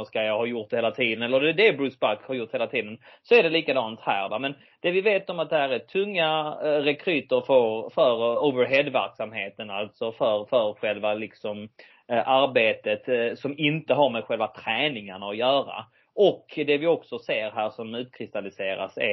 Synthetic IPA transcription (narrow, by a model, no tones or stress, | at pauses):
skajɑhɑːjʊʈ̚d̪ɛheːlat̪ʰiːd̪ənɛlːəɾd̪ɛd̪ɛbɾʉːsbakhɑɾjʊʈ̪ːheːlat̪ʰiːd̪ənsɔæɖɛliːkad̪ɑːnt̪hæ̰ːɾva̰mɛn | d̪̥ɛvɪveːt̪ɔmat̪̚d̪ɛhæːɾɛt̪ʰɵŋːaɾɛkʰɾʉːt̪əɾfœɾfœɾovəɾɦɛd̪væ̰ɾksamheːt̪ənalt̪sɔfœɾfœɾɧɛlvalɪksɔm | ʔaɾbeːt̪ət̪sɔmɪnt̪əɦaɾmɛd̪ɧɛlvat̪ʰɾɛːnɪŋaɳaɔjœːɾa̰ | ɔkd̪ɛvɪɔksɔseːɾɦæːɾʂɔmʉ̟ːt̪̚kʰɾɪst̪alɪseːɾa̰sɪ̰